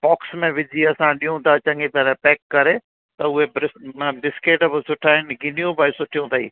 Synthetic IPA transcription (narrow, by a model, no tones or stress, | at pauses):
pɔːksmẽʋɪd͡ʑʱiɐsãɗiːũt̪ʰat͡ɕɐ̃ŋɡepaɾapɛːkːɐɾe | t̪ɐʊɦebɪ̃ɖɪskeːʈbɪsʊʈʰaːɦɪnɪɡʱɪnijũbaːisʊʈʰijũt̪ʰɐḭː